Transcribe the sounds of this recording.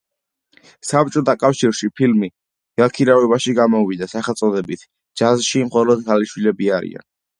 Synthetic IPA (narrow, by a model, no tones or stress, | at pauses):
sap̚t͡ʃʼɔt̪ʰakʼafʃiɾʃipʰilmi | ɡ̥alkʰiɾavɛβaʃiɡamɔvid̪asaχɛlˠt̪sʼɔd̪ɛbit̪ʰ | d͡ʒazʃimχɔlɔd̪ɡaliʃwilɛbiaɾḭa̰n